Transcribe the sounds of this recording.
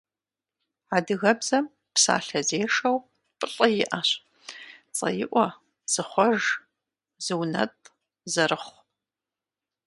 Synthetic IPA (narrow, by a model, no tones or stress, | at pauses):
adɨɣɐbzɐm | psa̰ːɬɐzeːʂɐw | pʼɨɬʼɐjɪʔaɕ | t͡sʼɐ̰jɪʔʷɔ | z̥ɨχʷɔʒ | z̥ɨwnɐ̰tʼ | zɐɾɨχʷ